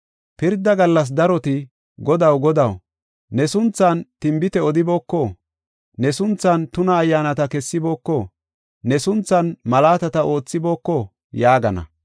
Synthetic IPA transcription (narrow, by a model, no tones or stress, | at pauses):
pɪɾd̪ɐɡɐlːɐs̬d̪ɐɾɔt̪ɪ | ɡɔd̪ɐwɡɔd̪ɐw | nɛsʊnt͡sːɐnt̪ɪmbɪt̪ɛɔd̪ɪbo̞ːkːɔ | nɛsʊnt͡sːɐnt̪ʊnɐːjːaːnɐt̪ɐkɛsːɪbo̞ːkːɔ | nɛsʊnt͡sːɐnmɐlaːt̪ɐt̪ɐo̞ːt͡sːɪbo̞ːkːɔ | jaːɡɐnɐ̰